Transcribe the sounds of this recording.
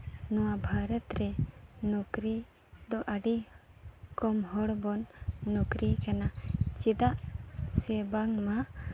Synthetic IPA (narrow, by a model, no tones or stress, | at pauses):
nɔwabʱaɾɔt̪ɾɛnɔkɾi | d̪ɔʔaɖi | kɔmɦɔɽbɔnːɔkɾikanat͡ʃid̪aʔsɛbaŋma